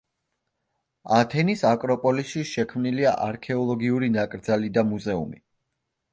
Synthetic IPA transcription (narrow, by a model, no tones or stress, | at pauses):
at̪ʰɛnisakʼɾɔpʼɔlisʃiʃɛkʰmnilia̰ʔaɾkʰɛɔlˠɔɡiuɾinakʼɾd̪zalid̪amuzɛṵmḭ